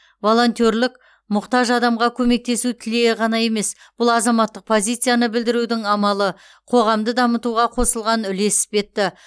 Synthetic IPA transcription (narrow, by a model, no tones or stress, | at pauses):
vo̞lˠo̞nt̪ʲo̞ɾlɪk | mʊqt̪ɑʒɑd̪ɑmʁɑkʲʰɵme̞k̚t̪e̞sut̪ʰɪle̞ʁɑnɑje̞me̞s | b̥ʊlˠɑzɑmɑt̪ːəq̚pʰo̞zʲijt̪sɨjanəbɪld̪ɪɾud̪ɪŋɑmɑlˠə | qʰo̞ʁɑmd̪əd̪ɑmət̪uʁɑqʰo̞səlˠʁɑnʏle̞sɪ̥pʲe̞t̪ːɪ